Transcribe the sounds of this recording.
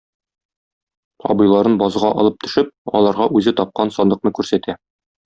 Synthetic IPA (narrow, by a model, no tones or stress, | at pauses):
ɒ̰bɤ̆jlˠɑɾɤnbɒzʁɑʔɒ̰lˠɤp̚t̪ɵ̆ʃɘp̚ɒ̰lˠɑɾʁɑʔʉzɘt̪ɒp̚qɑnsɒnd̪ɤ̆qnɤkʉɾsæt̪æ